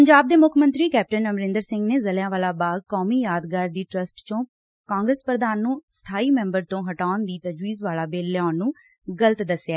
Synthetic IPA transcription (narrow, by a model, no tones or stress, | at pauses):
pəɲd͡ʒaːb̚d̪eːmʊkʰmənt̪ɾiːkɛːp̚ʈənəmɾɪ̃nd̪əɾsɪ̃ŋɡneːzəljãːʋaːlaːbaːɡ̪̚kɔːmiːjaːd̪ɡaːɾd̪iːʈɾəsʈt͡ʃõː | kãːŋɡɾəspɾəd̪aːnːũːst̪ʰaːiːmɛ̃ːmbəɾt̪õːɦəʈaːʊnd̪iːt̪əd͡ʒʋiːzʋaːlaːbeːlːjaːnːũː | ɡələt̪d̪əsjaːɛ